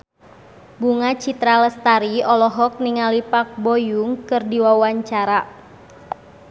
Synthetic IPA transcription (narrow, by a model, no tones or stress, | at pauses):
buŋat͡ʃit̪ɾaləst̪aɾiɔlɔɦɔk̚niŋalipak̚bɔjuŋkɨrdiwawaɲt͡ʃaɾa